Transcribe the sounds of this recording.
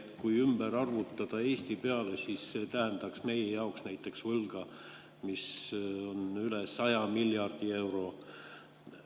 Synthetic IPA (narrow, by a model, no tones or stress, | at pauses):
kujymb̥eɾɑrvut̪ːˑɑd̪̥ɑe̞ːst̪ipe̞ɑlesiːsːeːt̪æɦend̪ɑksme̞jejɑoksnæjt̪ːˑe̞ksvɤlɡ̥ɑ | miso̞nylesɑjɑmilʲjɑrd̪̥ie̞wɾo̞